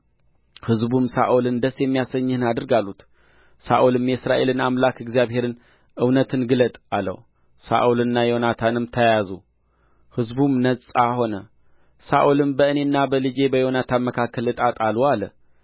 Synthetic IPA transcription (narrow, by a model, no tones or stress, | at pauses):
hɨzbumsa̰ʔulɨnd̪əsjɛmːijasəɲːɨhɨnad̪ɨɾɡalːut̪ | sa̰ʔulɨmjɛsɾaʔe̞lɨnamlakɪɡzijaβhe̞ɾɨn | ʔɨwnət̪ʰɨnɡɨlət̪ʼalːə̰w | sa̰ʔulɨnːajo̞nat̪ʰanɨmt̪ʰəjazu | hɨzbumnət͡sʼaho̞nə | sa̰ʔulɨmbəɨnenːabəlɨd͡ʒe̞bəjo̞nat̪ʰanməkʰakʰːəlɨt̪ʼat̪ʼalualə